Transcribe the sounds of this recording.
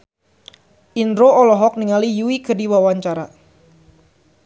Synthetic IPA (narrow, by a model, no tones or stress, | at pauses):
ʔinɾoɔlɔɦɔk̚niŋalijuikədiwawaɲt͡ʃaɾa